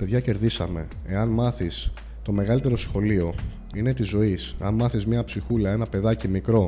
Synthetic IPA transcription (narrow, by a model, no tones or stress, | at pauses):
pe̞ðʝɐce̞ɾðisɐ̰me̞̰ | e̞ɐnmɐθis | t̪o̞me̞ɣɐlit̪e̞ɾo̞sxo̞lio̞ | ine̞t̪izo̞iseɐnmɐθizmɲɐpsixulɐe̞nɐpe̞ðɐcimikɾo̞